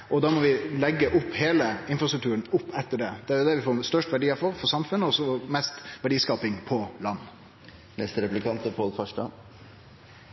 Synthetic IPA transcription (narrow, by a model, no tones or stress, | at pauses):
ʔɔd̪ɑːmɔʋɪlɛɡːəʔʊpːheːləɪnfɾɑst̪ɾʉk̚t̪ʉːɾən̩ʊpːɛt̪ːəɖɛd̪̥ɛæɾjʊd̪ɛʋɪfoːɾst̪œʂʈʋæɖiːɑɾfɔɾfɔɾsɑmfʉnːəɔsɔmɛst̪ʋæɖiːskɑːpɪŋpʰɔlɑnː | nɛst̪əɾɛplɪkʰɑnt̪əpʰɔːlfɑʂʈɑ̰